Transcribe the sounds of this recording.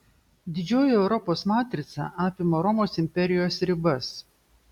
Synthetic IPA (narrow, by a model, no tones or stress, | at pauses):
d̪ʲɪd͡ʒʲoːjɛɛʊɾɔpoːsmɑːt̪ʲɾʲɪt̪sɑ̰ˑʔɑːpʲɪmoːɾɔmoːsɪmʲpʲɛɾʲɪjoːsɾʲɪbɐs